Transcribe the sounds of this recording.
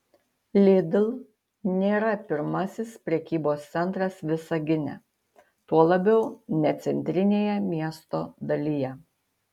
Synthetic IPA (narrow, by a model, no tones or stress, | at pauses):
lʲɪd̪ʲɪlˠ | nʲeːɾɐpʲɪɾmɐsʲɪspʲɾʲɛkʲiːboːst̪sʲɛnˑt̪ɾɐsʋʲɪsɐɡʲɪnʲɛ̰ | t̪uɔlˠɐbʲɛʊnʲɛt̪sʲɛnʲt̪ʲɾʲɪnʲeːjɛmʲiɛst̪oːd̪ɐlʲijɛ